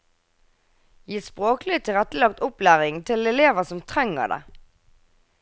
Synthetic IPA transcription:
jiːspʁoːklɪt̪ʰɪʁɛt̪əlɑk̚t̪ʊplæːʁɪŋt̪ʰɪlɛleːʋəsɔmt̪ʰʁɛŋə̰ʁd̪ḛ

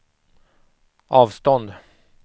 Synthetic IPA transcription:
ʔɑːvst̪ɔnd̪

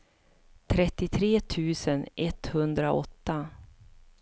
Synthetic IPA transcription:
t̪ʰɾɛt̪ːɪt̪ʰɾeːt̪ʰʉ̟ːsənʔɛt̪hɵnd̪ɾaʔɔ̰t̪ːa

